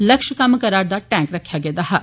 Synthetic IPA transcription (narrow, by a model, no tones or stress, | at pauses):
lɐkʃkɐmkɐɾaːɾd̪aʈɛ̃ːŋkɾɐkʰːjaɡed̪aɦa